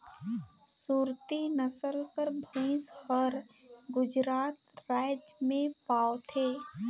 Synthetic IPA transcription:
suːɾt̪inəsəlkəɾbʱẽːshɔɾ | ɡʊd͡ʒɾaːt̪ɾaːjd͡ʒmẽpaːot̪ʰeː

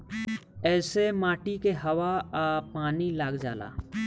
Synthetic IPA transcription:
ɛːsemaːʈikeɦɐʋaapaːnilaːɡd͡ʒaːla̰ː

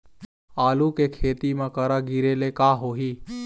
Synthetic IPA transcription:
aːlukekʰeːt̪imãkəɾaɡiɾeːlekaːɦoːɦiː

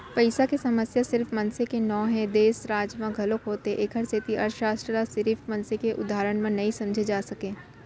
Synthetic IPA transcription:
pɐɪsakesɐməsjasɪɾfmɐnsekenɔːɦɛ̃d̪eːsɾaːd͡ʒmãɡʱɐlokɦoːt̪eʔekʰəɾsʰɪt̪iʔɐɾʃɾaːsʈɾəɾasɪɾifmɐnsekeʔʊ̰d̪ʱaːɾəɽ̃mẽnɐĩsɐ̃md͡ʒʱed͡ʒaːsɐkẽː

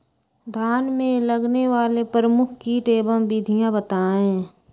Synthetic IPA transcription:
d̪ʱaːnmẽləɡneʋaːlepəɾəmʊkʰkiʈeːbə̃bid̪ʱijãbət̪aːẽ

